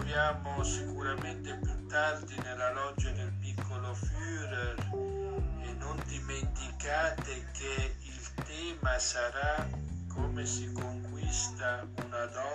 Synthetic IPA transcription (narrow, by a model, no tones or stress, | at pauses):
vjaːmosikuɾament̪epjut̪ːard̪inelalɔd͡ʒad̪elmikolofyːɾer | enond̪iment̪ikaːt̪ekeilt̪ɛːmasaɾakomesikoŋkwist̪a | unad̪ɔ